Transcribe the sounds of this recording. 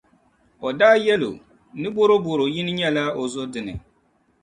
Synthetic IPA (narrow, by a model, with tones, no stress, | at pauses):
ɔ˨daː˦jɛ˦lo̰˨ | nɨ˦bo˦ɾo˦bo˨ɾo˨jɪ˦nɪ˦ɲɛ˦la˦o˨zo˦dɨ˨nɨ̰˨